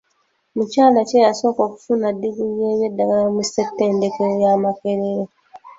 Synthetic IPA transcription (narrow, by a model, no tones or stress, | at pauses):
mucaːlacejaso̞ːko̞ːku̥funadːiziɲjeːβje̞dːaɡalamusːetːeːndekeojamakeɾeɾe